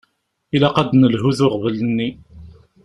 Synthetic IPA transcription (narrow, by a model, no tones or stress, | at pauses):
ilaqɑd̪nəlɦuðʊʁvələnːi